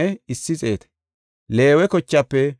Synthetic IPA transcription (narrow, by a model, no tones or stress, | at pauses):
ɛɪsːɪt͡sʼe̞ːt̪ɛ̥ | le̞ːwɛkɔt͡ʃːɐpːɛ